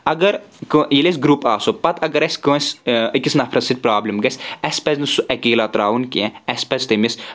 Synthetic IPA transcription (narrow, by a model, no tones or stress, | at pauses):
ɐɡɐɾ | kɨjiles̬ʲɡɾuːpaːsopɐt̪ʰɐɡɐɾɐsʲkɐːsʲɐkisnɐpʰɾɐsit̪̚ʲpɾaːblimɡɐsʲɛsʲpɐznɨsuʔɛkiːlat̪ɾaːʋunkiɛ̃ɛsʲpɐzʲt̪ɐmis